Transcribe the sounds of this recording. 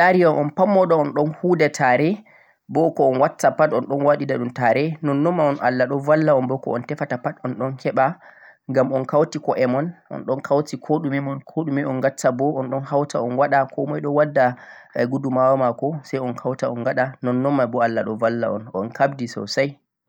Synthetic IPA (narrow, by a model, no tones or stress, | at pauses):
ɗaɾiɔnʔɔnpamːɔɗɔɔnɗɔnhudɛtʰaɾɛ | bɔkɔɔnwatːapatɔnɗɔnwaɗidaɗumtaɾɛnɔnːɔmːaɔnʔa̰lːaɗɔvalːaɔnbɔkɔ̰ɔ̰ntɛfatapatɔnɗɔnkʰɛɓaŋɡamɔnkawtikɔʔɛmɔnʔɔ̰nɗɔnkʰawtikʰoɗumɛmɔnkʰoɗumɛɔnɡatʰːabɔɔnɗɔnhawtaɔnwaɗakɔmɔjɗɔwadːa | ɛɡudumawamakɔsajɔnkʰawtaɔnɡaɗanɔnːɔmːabɔalːaɗɔvalːa̰ɔ̰nʔɔnkabdisɔ̰saj